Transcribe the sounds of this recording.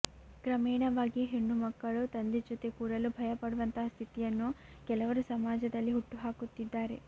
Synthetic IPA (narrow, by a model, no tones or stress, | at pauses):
ɡɾɐmɛːɳɐʋaːɡiɦeɳːumɐkːɐɭut̪ɐnd̪ed͡ʒot̪ekuːɽɐlubʱɐjɐpɐɽuʋɐnt̪ɐɦɐst̪ʰit̪ijɐnːuɡ̥ɛlɐʋɐɾusɐmaːd͡ʒɐd̪ɐlːiɦuʈːuɦaːkut̪ːid̪ːaːɾe̞̰